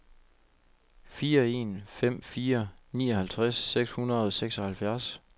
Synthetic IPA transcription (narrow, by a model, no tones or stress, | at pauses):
fiːɐe̝̰ːnfem̰fiːɐniːɒhælt͡sʰʁasːeɡ̥shunɐð̞̩ˠɒseɡ̥sɒ̽hælfjæɐs